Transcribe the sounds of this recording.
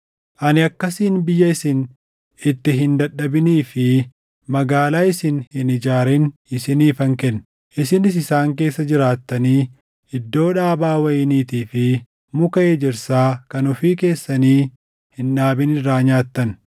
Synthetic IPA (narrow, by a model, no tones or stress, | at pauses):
ʔɐnɪɐkːɐsiːnbɪjːɐɪsɪn | ɪt̪ːɪɦɪnd̪ɐɗɐbɪniːfɪ | mɐɡaːlaːɪsɪnhɪnɪd͡ʒaːɾɛnɪsɪniːfɐŋkɛnː | ʔɪsɪnɪs̬ɪsaːŋk̬e̞ːsːɐd͡ʒɪɾaːt̪ːɐniː | ɪd̪ːo̞ːᶑaːbaːwɐjɪniːt̪iːfɪ | mʊkɐʔeːd͡ʒɪɾsaːkɐnʊfiːke̞ːsːɐniː | hɪnᶑaːbɪnɪɾaːɲaːt̪ːɐn